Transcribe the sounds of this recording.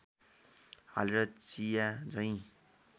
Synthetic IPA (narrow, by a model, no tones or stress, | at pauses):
ha̰leɾʌt͡sijad͡zʌĩ